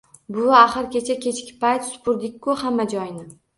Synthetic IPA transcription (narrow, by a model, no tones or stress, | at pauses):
bʊaχɨɾkʲet͡ʃʰakʲʰe̞t͡ʃkʲɪ̥pajt̪sʊ̥pʰʊɾd̪ɪk̚ʲkːʊhamːad͡ʒɒjnɪ